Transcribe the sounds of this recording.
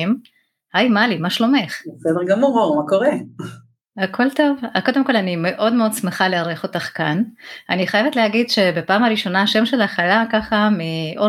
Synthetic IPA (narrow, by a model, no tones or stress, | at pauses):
m | hajmalimaʃlomeχbesɛdeʁɡamuʁoʁmakoʁe | akʰo̞lto̞vako̞d̪e̞mko̞lanime̞ʔo̞dme̞o̞d̪t͡smeχaleaʁeχo̞taχkananiχajevetlehaɡidʃe̞be̞paːmaʁiʃo̞naaʃe̞mʃe̞laχalakaχamiʔo